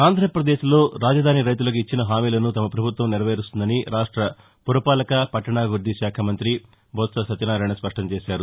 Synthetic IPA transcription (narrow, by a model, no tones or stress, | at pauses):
aːnd̪ʱɾɐpɾɐd̪e̞ːʃlo̞ːɾaːd͡ʒɐd̪ʱaːniɾɐjt̪ulɐk̬uit͡ʃːinɐɦaːmiːlɐnut̪ɐmɐpɾɐbʱut̪ʋɐmniɾɐʋeːɾust̪und̪ɐniɾaːʂʈɾɐ | puɾupaːlɐkɐpɐʈːɐɳaːɡuɾd̪ʱiʃaːkʰɐmɐnt̪ɾi | bʱɔːt̪sɐsɐt̪inaːɾaːjɳɐspɐʂʈɐmt͡ʃeːʃaːɾu